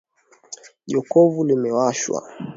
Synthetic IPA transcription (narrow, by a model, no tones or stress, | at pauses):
ʄɔkɔvulimɛwaʃwa̰